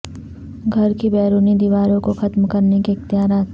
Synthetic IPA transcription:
ɡʱɐɾkibɛːɾuːnid̪iʋaːɾõkoxɐt̪mkɐɾnekiɪxt̪ɪjaːɾaːt̪

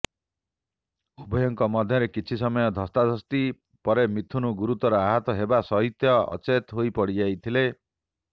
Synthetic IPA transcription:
ubʱɔjɔŋkɔmɔd̪ʱjɔɾekit͡ʃʰisɔmɔjɔd̪ʱɔst̪ad̪ʱɔst̪i | pɔɾemit̪ʰunuɡuɾut̪ɔɾɔaɦɔt̪ɔɦebasɔɦit̪jɔɔ̰t͡ʃet̪ɦojpɔɽid͡ʒajt̪ʰile

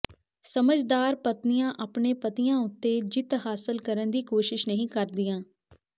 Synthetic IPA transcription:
səməd͡ʒd̪aːɾpət̪nɪjãːʔaːpɳeːpət̪ɪjãːʊt̪ːeːd͡ʒɪt̪ɦaːsəlkəɾənd̪iːkoːʃɪʃnəɦĩːkəɾd̪ɪjãː

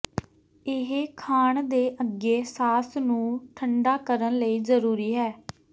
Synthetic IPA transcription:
ɪɦkʰaːɳd̪eːʔəɡeːsaːsnũːʈʰəɳɖaːkəɾənləiːzəɾuːɾiːɦɛː

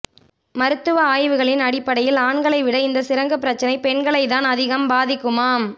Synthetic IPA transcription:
mɐɾɯt̪ːɯʋɐaːjʋɯɣɐɭɪnɐɽɪpːɐɽɐjɪlaːɳɡɐɭɐɪʋɪɽɐɪnd̪ɐsɪɾɐŋɡɐpːɪɾɐt͡ʃːɐnɐɪpɛɳɡɐɭɐɪðaːnɐðɪɣɐmbaːðɪkːɯmaːm

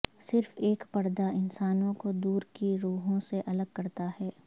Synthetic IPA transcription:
sɪɾfeːkpɐɾd̪aɪnsaːnõkod̪uːɾkiɾuːɦõseʔɐləɡ̚kɐɾt̪aɦɛː

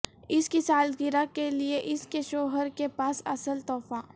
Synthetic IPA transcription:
ɪskisaːlɡɪɾakelieʔɪskeʃoːɦəɾkepaːsɐ̰səlt̪ɔːfa

